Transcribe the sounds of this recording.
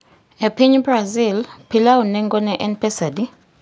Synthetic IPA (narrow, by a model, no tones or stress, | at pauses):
epʰiɲbrazilpʰilaunɛŋɡɔnɛʔɛnpʰɛsadi